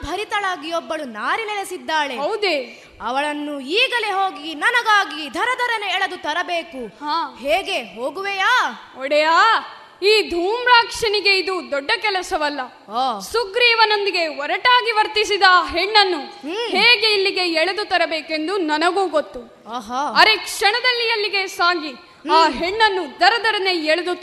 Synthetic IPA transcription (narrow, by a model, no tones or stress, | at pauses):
bʱɐɾit̪ɐɭaːɡijɔbːɐɭunaːɾinelesid̪ːaːɭeɦɐwd̪eː | ɐʋɐɭɐnːuiːɡɐleɦoːɡinɐnɐɡaːɡid̪ʱɐɾɐd̪ʱɐɾɐneɛɭɐd̪ut̪ɐɾɐbeːkuhaːheːɡe̞ɦoːɡuʋejaː | ɔɽɛjaː | iːd̪ʱuːmɾaːkʂɐniɡe̞id̪ud̪ɔɖːɐkɛlɐsɐʋɐlːɐ | suɡɾiːʋɐno̞nd̪iɡe̞ɔɾɐʈaːɡiʋɐɾt̪isid̪ɐːɦeɳːɐnːuheːɡeilːiɡe̞ɛɭɐd̪ut̪ɐɾɐbeːke̞nd̪unɐnɐɡuːɡot̪ːuː | ɦaːɐɾe̞kʂɐɳɐd̪ɐlːijɐlːiɡe̞saːɡi | aːɦeɳːɐnːud̪ʱɐɾɐd̪ʱɐɾɐneɛɭɐd̪u